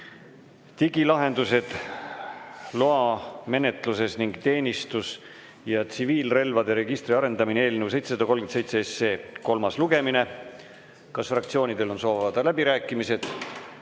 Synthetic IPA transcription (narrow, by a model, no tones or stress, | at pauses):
t̪iɡilɑɦe̞nd̪use̞d̪̥ | loɑme̞ne̞t̪ˑluse̞sniŋɡ̥t̪e̞ːnʲist̪us | jɑt̪siviːlre̞lvɑd̪e̞ɾe̞ɡ̥ist̪ɾiɑɾe̞nd̪ɑminee̞ːlnewse̞jt̪sesɑd̪ɑko̞lɡensejt̪seesːeːko̞lmɑsluɡ̥e̞mine̞ | kɑsfrɑkt̪sioːnid̪̥e̞lo̞nso̞ːvvɑd̪̥ɑlæbiɾæːkːˑimise̞d̪̥